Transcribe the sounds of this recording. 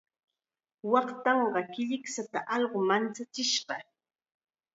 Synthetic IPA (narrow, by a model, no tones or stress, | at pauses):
wɑχt̪ɑɴɢɑkɪʎɪksat̪aʔɑʎɢomant͡sat͡sɪʃɢɑ